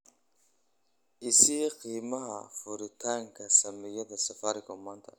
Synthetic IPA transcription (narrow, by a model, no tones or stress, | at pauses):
ʔɪsiqiːmɐɦɐ̰fʊɾɪt̪ʰaːŋkʰɐsɐmɛjɐd̪ɐsɐfaɾɪkʰɔmɐnt̪ʰɐ